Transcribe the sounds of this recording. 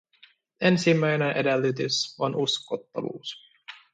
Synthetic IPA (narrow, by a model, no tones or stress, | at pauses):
ensimːæjnenʔedelːyt̪ysonʔuskot̪ːɑ̰ʋṵːs